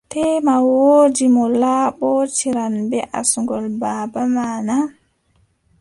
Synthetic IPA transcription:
tɛːmawoːd͡ʒimɔlaːɓɔt͡ʃiɾanbɛʔa̰suŋɡɔlbabamana

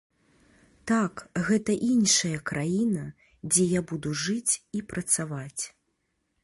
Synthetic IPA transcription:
t̪akɣɛt̪ɐʔinʂɐjɐkɾʔajinɐ | d͡zʲɛjabud̪uʐɨt͡sʲipɾɐt̪savat͡sʲ

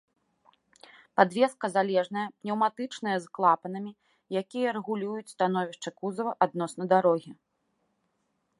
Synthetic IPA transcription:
pad̪vʲɛskɐzalʲɛʐn̪ɐjɐpnʲɛwmat̪ɨt͡ʂnɨjɐzklˠapɐnɐmʲi | jakʲijɐɾɛɣulʲujut͡sʲst̪anɔvʲiʂt͡ʂɐkuzɐvɐʔad̪̚nɔsnɐd̪aɾɔɣʲi

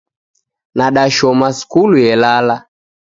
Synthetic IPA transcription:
naɗaʃɔmaskuluɛlala

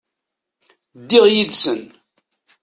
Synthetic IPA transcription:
d̪ːɪʁjid̪sən

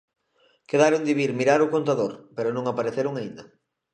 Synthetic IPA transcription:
keðaɾond̪iβiɾmiɾaɾʊkont̪aðoɾpeɾʊnõŋapaɾeθeɾʊŋaind̪ɐ

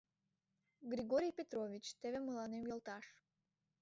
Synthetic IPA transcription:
ɡɾʲiɣoɾʲijpʲet̪rovʲit͡ɕt̪eβeməlɑnemjolˠt̪ɑʃ

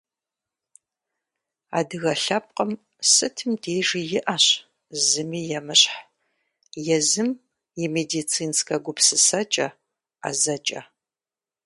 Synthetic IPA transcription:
a̰ːdɨɣɐɬɐp̚qɐm | sɨtʰɨmdeːʒijɪʔaɕ | zɨmiːjɛmɨɕħ | jɛzɨm | jɛmedit͡sʰiːnskʰɐɡʷʊpsɨsɐt͡ʃʼɐ | a̰zɐt͡ʃʼɐ̰

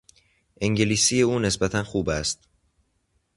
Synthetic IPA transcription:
ʔeŋɟeliːsiːje̞uːne̞sbæt̪ʰænxuːbæst̪

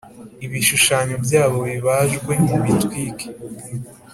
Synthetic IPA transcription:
iβiʃuʃaːɲo̞bjaːβo̞βiβaʒɡwe̞niβitkwiːkʰi̥

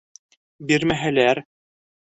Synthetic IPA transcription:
biɾmæɦɘ̆læɾ

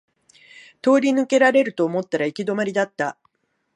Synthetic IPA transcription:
t̪o̞ːɾʲinɯ̟ke̞ɾaɾe̞ɾɯ̟t̪o̞ːmo̞t̪ːaɾaikʲid̪o̞maɾʲid̪at̪ːa

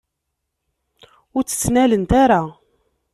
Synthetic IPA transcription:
ʊɾt͡sːə̥t͡sːnælənt̪aɾa

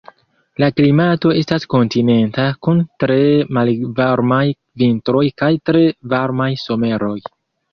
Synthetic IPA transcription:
laklimato̞e̞stasko̞ntine̞ntakuntɾe̞malvaɾmaj | vintɾo̞jkajtɾe̞vaɾmajso̞me̞ɾo̞j

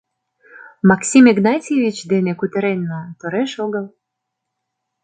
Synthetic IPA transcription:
mɑksʲimeɡnɑtʲevʲit͡ɕd̪enekut̪ə̆ɾenːɑt̪oɾeʃoɣəl

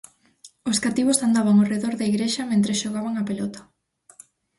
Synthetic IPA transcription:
oskat̪iβosand̪aβaŋoreðoɾðɐiɣɾeʃɐmẽnt̪ɾesʃoɣaβaŋɐpelɔt̪ɐ̥

